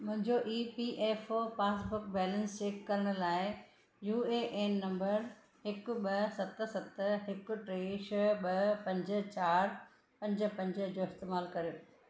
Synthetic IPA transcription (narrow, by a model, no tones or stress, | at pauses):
mʊ̃ɦɪ̃ɲd͡ʑoʔiːpiʔeːfopaːsbʊkbɛːlə̃nst͡ɕeːkːɐɾəɽ̃ʊ̆laːɪ | juːeːʔeːnːɐ̃mbəɾ | hɪkʊ̆ɓɐsɐt̪̆sɐt̪ɦɪkʊ̆ʈɾeːʃɓɐpɐ̃ɲd͡ʑə̆t͡ɕaːɾ | pɐ̃ɲd͡ʑə̆pɐ̃ɲd͡ʑə̆d͡ʑoːɪst̪eːmaːlkɐɾijoː